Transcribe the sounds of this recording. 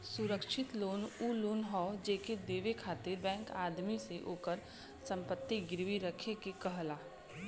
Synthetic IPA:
sʊɾəkʃʰɪt̪loːnuːloːnɦɔːd͡ʒeːked̪eːʋekʰaːt̪iːɾbɛ̃ːŋkaːd̪miseʔoːkəɾ | sə̃mpət̪ːiɡɪɾʋiɾəkʰekekəɦlaː

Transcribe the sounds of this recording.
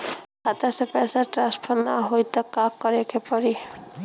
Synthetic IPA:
kat̪asepɛsaɾʈɾaspʰɔɾnaɦojt̪ɔkakːɔɾekʰepɔɾi

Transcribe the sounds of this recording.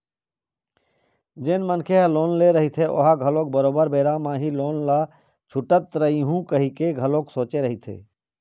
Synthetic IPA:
d͡ʒɪnmənkʰeɦloːnleɾəɦit̪ʰeʊ̰ɦaɡʱəlõk̚bəɾoːbəɾbeːɾamaːɦiloːnla | t͡ʃʰʊʈət̪ɾəiɦũkəɦikeɡʱəlõːksoːt͡ʃeɾəɦit̪ʰḛː

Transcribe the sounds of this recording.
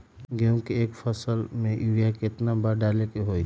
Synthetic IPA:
ɡeũkiekpʰəsəlmeʔiɾijaket̪nabaɖalekeɦoi

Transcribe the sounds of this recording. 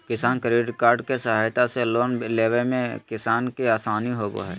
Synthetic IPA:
kɪsaːnkəɾiːɖɪkaːɾɖkesɐɦaːjt̪aseloːnleːʋəlmẽkɪsaːnkiaːsaːniɦoːɡo̰ɦɛ̰ː

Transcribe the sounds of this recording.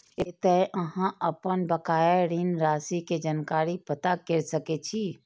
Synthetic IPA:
et̪əʔəɦãʔəpənbəkaːjaɾinɾaːsiked͡ʒənkaːɾipət̪akeɾsəket͡ʃʰi

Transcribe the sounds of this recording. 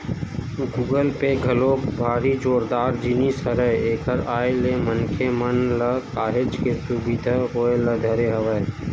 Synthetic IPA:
ɡuːɡəlpeɡʱɐloːbʱaːɾid͡ʒoːɾd̪aːɾd͡ʒinisəɾəjeːkʰəɾaːjlemənkʰemənləkaːɦed͡ʒkesubid̪ʱakoːjləd̪ʱɐɾeɦɐʋəe

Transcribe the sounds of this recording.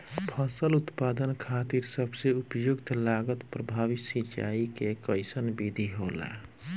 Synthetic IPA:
pʰəsəlʊt̪paːd̪ənkʰat̪iɾsəbseupjʊɡt̪ʰlaɡət̪pɾəbʱaːʋisit͡ʃa̰ikekəɪsənbid̪ʱiɦola̰

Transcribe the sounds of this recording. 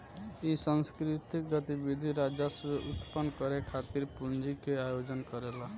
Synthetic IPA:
isə̃nskɾit̪ik̚ɡət̪ibid̪ʱiɾad͡ʒaseut̪pənkəɾekʰat̪iɾpund͡ʒikeajod͡ʒənkəɾela

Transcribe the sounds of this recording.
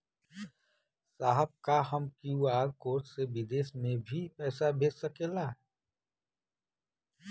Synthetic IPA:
saːɦəb̚kaɦəmkijuaːɾkoːɾʈseʋɪd̪eːsmẽbʱipɛːsabʱeːd͡ʒsəkeːla

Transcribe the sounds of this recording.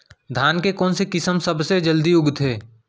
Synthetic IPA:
d̪ʱaːnkekɔːnsekɪsəmsɐbsed͡ʒəld̪iʊɡt̪ʰeː

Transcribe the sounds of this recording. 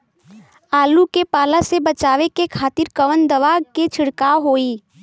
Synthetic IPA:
aːlukepaːlasebɐt͡ʃaːʋekekʰaːt̪ɪɾkɐʋənd̪ɐʋaːɡket͡ʃʰɪɽkaːoɦoːiː

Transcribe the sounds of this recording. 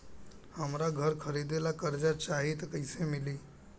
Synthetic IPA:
həmɾaɡʱəɾkʰəɾid̪elakəɾd͡ʒat͡ʃaɦit̪kəɪsemili

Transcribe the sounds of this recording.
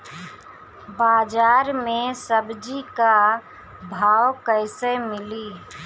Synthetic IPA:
baːd͡ʒaːɾmesəbd͡ʒika | bʱawkəɪsemɪli

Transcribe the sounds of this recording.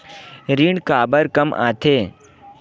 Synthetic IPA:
ɾiːɳɖkaːbəɾkɐmʔã̰ːt̪ʰeː

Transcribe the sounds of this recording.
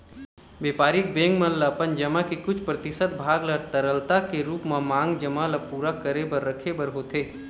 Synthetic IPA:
beːpaːɾɪk̚bẽːŋɡmɐllapənd͡ʒɐmakikʊt͡ʃʰpɾɐt̪ɪʃət̪̚bʱaːɡləɾt̪əɾəlt̪akeɾuːpmãmãːŋɡd͡ʒəmalapuːɾakəɾebəɾːəkʰebəɾɦoːt̪ʰeː

